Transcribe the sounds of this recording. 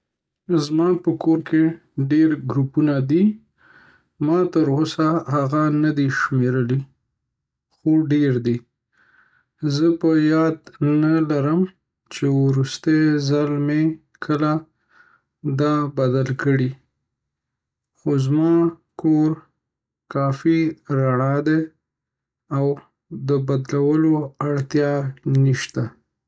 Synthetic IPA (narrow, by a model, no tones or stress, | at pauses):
zmɑpəkoɾke | ɖeɾɡɾupunad̪i | mɑt̪əɾosahaɣanad̪iʃmeɾəli | xoɖeɾd̪i | zəpəjɑd̪nalaɾəm | t͡ʃewɾust̪ezalme | kʰəla | d̪ɑbad̪alkəɽi | xozmɑ | koɾ | kɑfiɾaɽɑd̪e | aw | d̪əbad̪lawəloaɽt̪jɑniʃt̪a